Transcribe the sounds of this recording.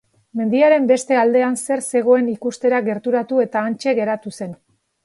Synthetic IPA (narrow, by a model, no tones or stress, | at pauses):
me̞nd̪iaɾe̞mbe̞st̪e̞ald̪e̞anse̞ɾse̞ɣ̞o̞e̞nikust̪e̞ɾaɣe̞ɾt̪uɾat̪ue̞t̪aːnt͡ʃe̞ɣe̞ɾat̪use̞n